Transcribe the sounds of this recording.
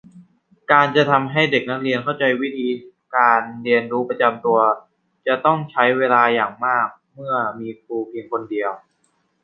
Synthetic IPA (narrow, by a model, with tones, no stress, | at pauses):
kaː˧nt͡ɕa˨˩t̪ʰa˧mɦa˥˩jde˨˩k̚na˦˥k̚ɾi˧ənkʰa˥˩wt͡ɕa˧jwi˦˥t̪ʰiː˧ | kaː˧nɾi˧ənɾuː˦˥pa˧t͡ɕa˧mt̪u˧ɐ | t͡ɕa˨˩t̪ɔ˥˩ŋt͡ɕʰa˦˥jweː˧laː˧jaː˨˩ŋmaː˥˩k̚mɯ˥˩ɐmiː˧kuː˧pʰi˧əŋkʰo˧ndi˧əw